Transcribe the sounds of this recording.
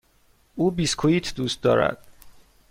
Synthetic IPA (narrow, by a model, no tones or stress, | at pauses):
uːbiːskʰoiːt̪ʰd̪uːst̪̚d̪ɒ̰ːɾæ̰d̪̥